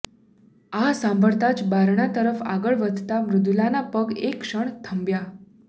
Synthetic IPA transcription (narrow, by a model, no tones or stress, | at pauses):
asãmbʱəɭt̪at͡ʃbaɾɳ̃at̪əɾəfa̰ɡəɭʋəd̪ʱt̪amɾud̪ulanapəɡekʂəɳt̪ʰəmbja